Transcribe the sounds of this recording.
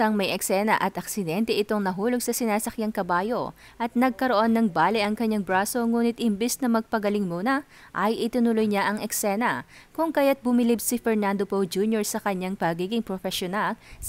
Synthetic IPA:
ɐŋmɐjʔɛksɛnɐʔɐt̪ʔɐksɪd̪ɛnt̪ɛʔɪt̪oŋnɐɦuːlo̞ɡ̚sɐsɪnaːsɐkjaŋkɐbaːjo̞ | ʔɐt̪̚nɐɡ̚kɐɾoʔo̞nːɐŋbaːlɪʔɐŋkɐɲːaŋbɾaso̞ŋuːnɪt̪̚ɪmbɛsnɐmɐɡ̚pɐɡɐlɪŋmuːnɐ | ʔɐjʔɪt̪ɪnʊlʊjɲaʔɐŋɛksɛnɐkʊŋkajat̪̚bʊmɪlibsɪfɛɹnand̪opod͡ʒunjoɹsɐkɐɲːaŋpɐɡiːɡɪŋpɾofɛʃonal

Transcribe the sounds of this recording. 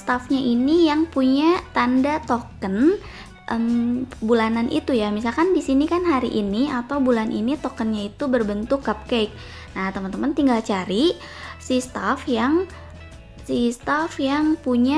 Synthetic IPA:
st̪afɲaʔinijaŋpuɲat̪andat̪okən | ʔəmbulananʔḭt̪ujamisalkandisinikanɦaɾḭʔiniat̪awbulanʔḭnit̪okənɲait̪ubərbənt̪ʊkːap̚kejk̚ | naht̪əmənt̪əmənt̪iŋɡalt͡ʃaɾi | sist̪afjaŋ | sist̪afjaŋpuɲa

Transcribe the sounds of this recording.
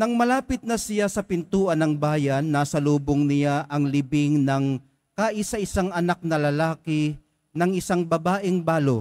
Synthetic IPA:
nɐŋmɐlaːpɪt̪̚nɐsɪjasɐpɪnt̪uːʔɐnɐŋbaːjɐnːasɐluːboŋnɪjaʔɐŋlɪbɪŋnɐŋ | kaːʔɪsɐʔɪsaŋʔɐnak̚nɐlɐlaːkɪ | nɐŋʔɪsaŋbɐbaːʔɪŋbaːlo

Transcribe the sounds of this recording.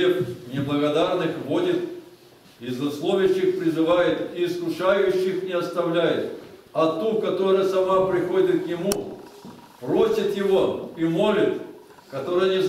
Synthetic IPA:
eknʲɪblˠəɣɐd̪arnɨxvo̞dʲɪt̪ | ɪznɐslˠovʲɪɕːɪxpɾʲɪzɨvajɪt̪iːskʊʂajʉɕːɪxnʲɪɐst̪ɐvlʲæjɪt̪ɐt̪ukɐt̪o̞ɾɨjəsɐmapɾʲɪxodʲɪt̪̚knʲɪmu | pɾosʲɪt̪jɪvoimo̞lʲɪt̪ | kɐt̪o̞ɾɨjənʲɪ

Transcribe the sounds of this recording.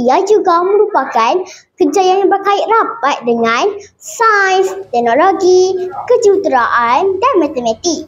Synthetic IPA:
ijad͡ʒuɡamə̃ɾupakankərd͡ʒajanjaŋbərkaɪʔ̚rabat̪̚dəŋãnsanst̪ɛk̚noloɡikəd͡ʒut̪ɾaʔandanmãt̪əmãt̪ik̚

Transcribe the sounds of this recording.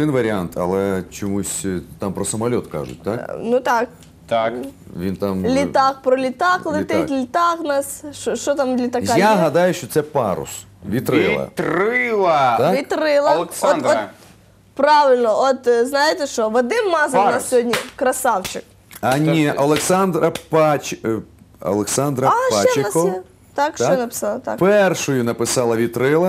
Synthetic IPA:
ɨnvəɾʲɪant̪ʰɐ̰lˠɛt͡ɕɪmusʲt̪ampɾɐsəmɐlʲot̪ka̰ʐʊ̰t̪̚ʲt̪aknut̪ak̚ | t̪akvʲint̪amlʲɪt̪ak̚pɾɔlʲɪt̪aklˠɪt̪ɪt̪ʲlʲɪt̪aɣnasʃoʂt̪ot̪amd̪lʲɪt̪ɐkajaɦɐd̪ajʊɕot̪sɛpaɾʊ̰s | vʲɪt̪ɾɨlˠɐ̰t̪ɾɪlˠɐt̪akʋʲit̪ɾɪlˠɐlˠsɔɔt | pɾaʋʲɪlʲnɔot̪znajɪt̪ɛʃɔʋɐd̪ɪmmɑzɐk̪nassʲɦɔdʲnʲikɾɐsawt͡ʃɪk̚ | ɐnʲiʔɐlˠeksand̪ɾɐpɑt͡ʃ | ɐ̰lˠeksand̪ɾɐapaaɪɐkɔ | t̪akʃɔjnɐpɪ̥salˠɐt̪a̰kpɛrʃʊjʊnɐpɪsɑlˠɐʋʲit̪ɾɪlˠɐ

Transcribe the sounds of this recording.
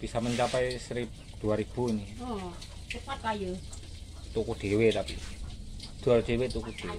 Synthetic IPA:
b̥isaməɲt͡ʃapɛjsɾip̚d̪̥uaɾib̥uiniɔ | t̪ukat̪ajə | t̪ukud̪̥e̤wet̪apḭ | d̪̥ṳaɾd̪̥ewet̪ukud̪̥e

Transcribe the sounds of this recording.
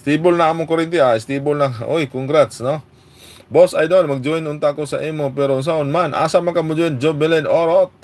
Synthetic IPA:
st̪ibʊlnaamʊkoɾɪnt̪ɪaɪst̪ibʊlnaʔo̰jkʊŋɡɾat̪sno | bosajd̪onmaɡ̚d͡ʒʊɪnʊnt̪aʔkosaʔimopɛɾoʊns̬aʊnmanʔa̰samaŋkamʊd͡ʒuɪnd͡ʒobɪlɛnoɾot̪̚

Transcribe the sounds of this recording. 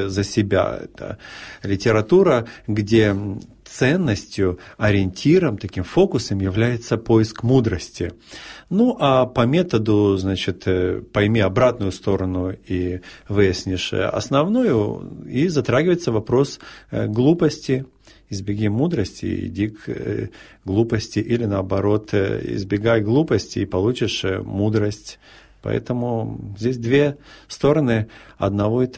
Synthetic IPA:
zəsʲɪbʲa̰ɛ̰t̪ə̰lʲɪtʲɪɾɐt̪uɾəɡdʲe̞t̪sɛnːəsʲtʲjʊɐɾʲɪɪnʲtʲʰiɾəmt̪ɐkʲimfo̞kʊsəmjɪvlʲæjɪt̪səpoɪskmud̪ɾəsʲtʲɪnuʔapɐmʲe̞t̪əd̪ʊznat͡ɕɪt̪pɐjmʲiɐbɾat̪nʊjʊst̪o̞ɾənʊivɨjɪsʲnʲɪʂɐ̰snɐvnojʊ̰izɐt̪ɾaɡʲɪvəjɪt̪səvɐpɾo̞sɡlˠupəsʲtʲɪ | ɪzbʲɪɡʲimud̪ɾəsʲtʲɪ̰ɪ̰dʲik | ɡlˠupəsʲtʲɪʔilʲɪnəɐbɐɾo̞t̪ɪ̰zbʲɪɡajɡlˠupəsʲtʲɪːpɐlˠut͡ɕɪʂmud̪ɾəsʲtʲ | pɐ̰ɛ̰t̪əmʊzʲdʲesʲd̪vʲest̪o̞ɾənɨɐ̰d̪nɐvoɪt̪

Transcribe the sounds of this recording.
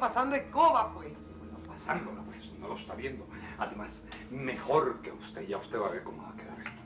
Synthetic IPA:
pasand̪oekoβapoɾe | onopasand̪onopwesnoloest̪aβje̞nd̪o | aðe̞mas | me̞xo̞ɾke̞ust̪e̞ʝaust̪e̞βaβe̞ɾkomoβakeða̰ɾ

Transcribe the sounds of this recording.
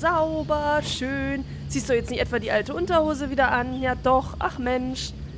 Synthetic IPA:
z̥aʊbɐʃøːn | z̥iːstdudʊjɛt͡snɪçtʔɛtv̥aːdiːʔaltəʔʊntɐhoːzəviːdɐʔanjaːdɔχʔa̰χmɛnʃ

